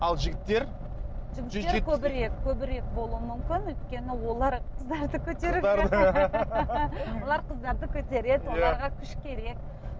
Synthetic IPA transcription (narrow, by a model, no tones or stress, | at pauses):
ɑlˠʒɪɡʲɪt̪ːe̞ɾ | ʒɪɡʲɪekʲʰɵbɪɾe̞kkʲʰɵbɪɾe̞k̚bo̞lˠuəmʏmkʲɪnwɵjt̪kʲe̞nɪwo̞lˠɑɾqʰəzd̪ɑɾd̪əkʲʰɵt̪e̞ɾɪ | wo̞lˠɑɾqʰəzd̪ɑɾd̪əkʲʰɵt̪e̞ɾe̞d̪wo̞lˠɑɾʁɑkʲʰʏʃkʲʰe̞ɾe̞k̚